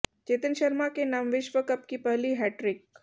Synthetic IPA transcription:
t͡ɕet̪ənɕəɾmakenamʋeɕʋəkəp̚kiːpəɦliːɦæʈɾik

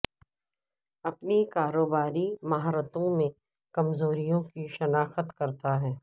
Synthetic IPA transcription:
ɐpnikaːɾoːbaːɾimaɦaɾət̪õmẽ | kɐmzoːɾijõkiʃɐnaːxət̪kɐɾt̪aɦɛː

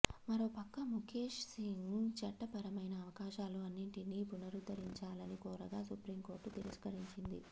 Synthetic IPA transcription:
mɐɾo̞ːpɐkːɐmukʰeːʂsiŋt͡ʃɐʈːɐpɐɾɐmɐjnɐːʋɐkaːʃaːluɐnːiɳʈiniːpunɐɾud̪ɐɾiɲt͡ʃaːlɐnikɔːɾɐɡaːsupɾimko̞ːɾʈut̪iɾɐskɐɾiɲt͡ʃind̪ḭ

